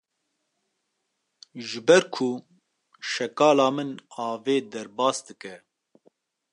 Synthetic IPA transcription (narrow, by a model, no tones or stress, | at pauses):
ʒɨbɛɾkʰu | ʃɛkɑːlɑːmɨnɑːveːd̪ɛɾbɑːsd̪ɨkɛ